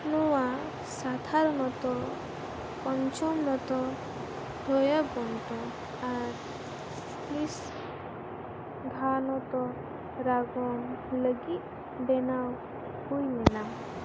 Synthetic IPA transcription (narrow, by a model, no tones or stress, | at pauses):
nuwa | sat̪ʰaɾnɔt̪ɔ | pɔnt͡ʃɔmnɔt̪ɔ | ɖʱɔjaɡɔnt̪ɔ | aɾ | lis | ɡʱanɔt̪ɔ | ɾaɡɔnləɡi | benaw | kujnenam